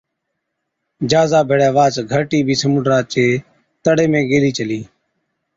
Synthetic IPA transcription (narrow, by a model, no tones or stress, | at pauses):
d͡ʒaːzaːbʱeːɽaːʋaːt͡ʃɡʱəɾʈiːbʱiːsəmuːɖɾaːt͡ʃeː | t̪əɽeːmẽːɡeːliːt͡ʃəliː